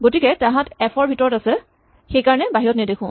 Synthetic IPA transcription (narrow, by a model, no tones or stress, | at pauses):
ɡotikɛtãɦãtɛpʰɔɹbʱitɔɹɔtasɛ | xejkaɹɔnɛbaɦiɹɔtnɛdekʰʊ̃